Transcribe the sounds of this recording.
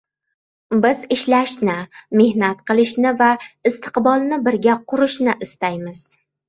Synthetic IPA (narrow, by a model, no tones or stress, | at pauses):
bɪzɪʃlaʃnɪme̞hnat̪̚qʰɨlˠɪʃnɪvaɪst̪ʰɨ̥qbɒlˠnɪbɪɾɡʲaqʰʊɾɪʃnɪʔɪst̪ajmɪz̥